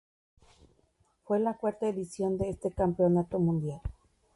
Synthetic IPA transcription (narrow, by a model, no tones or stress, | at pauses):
fwelakwaɾt̪aeðisjo̞nd̪eest̪ekampeonat̪omũnd̪jal